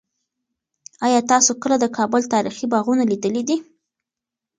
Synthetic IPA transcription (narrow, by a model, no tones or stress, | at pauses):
ɑjɑt̪ɑsokəlad̪əkɑbʊlt̪ɑɾixibɑɣunalid̪əlid̪i